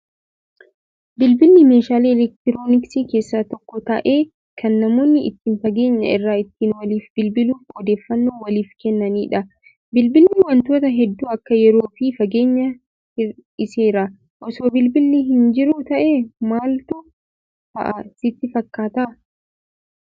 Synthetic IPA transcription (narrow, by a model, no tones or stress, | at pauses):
bɪlbɪlnɪme̞ːʃaːleːɛlɛk̚t̪ɪɾoːnɪksiːke̞ːsːaːt̪ɔkːɔt̪ɐʔeː | kʰɐnːɐmoːnːɪɪ̰t̪ːɪːnfɐɡeːɲːɐ̰ɪrːaːɪt̪ːiːnwɐliːfbɪlbɪluːfɔd̪e̞ːfːɐnːoːwɐliːfkɛnːɐniːᶑɐ | bɪlbɪlnɪwɐnt̪o̞ːt̪ɐɦɛd̪ːuːɐkːɐjɛɾo̞ːfɪfɐɡeːɲːɐ | ɪɪseːɾɐ | ʔɔsoːbɪlbɪlnɪɦɪnd͡ʒɪɾʊt̪ɐʔeːmaːlt̪ʊ | fɐ̰ʔɐsɪt̪ːɪfɐkːaːt̪ɐ